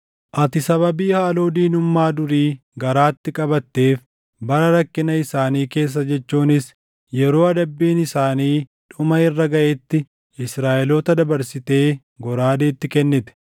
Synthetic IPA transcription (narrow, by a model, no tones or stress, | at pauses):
ʔɐt̪ɪsɐβɐbiːhaːloːd̪iːnʊmːaːd̪ʊɾiːɡɐɾaːt̪ːɪkʼɐbɐt̪ːe̞ːf | bɐɾɐɾɐkːɪnɐɪsaːniːke̞ːs̬ːɐd͡ʒɛt͡ʃːuːnɪs | jɛɾo̞ːɐd̪ɐbːiːnɪsaːniːᶑʊmɐɪrːɐɡɐʔet̪ːɪ | ɪsɾaːʔɛloːt̪ɐd̪ɐbɐɾsɪt̪e̞ː | ɡɔɾaːd̪eːt̪ːɪkɛnːɪt̪ɛ̥